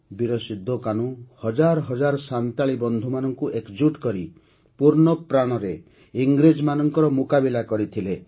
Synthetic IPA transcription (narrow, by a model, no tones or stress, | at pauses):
biɾɔsid̪ʱːokaɽ̃uhɔd͡ʒaɾɔɦɔd͡ʒaɾɔsant̪aɭibɔnd̪ʱumanɔŋkuʔekd͡ʒuʈkɔɾi | puɾɳɔpɾaɽ̃ɔɾe | iŋɡɾed͡ʒmanɔŋkɔɾɔmukabilakɔɾit̪ʰile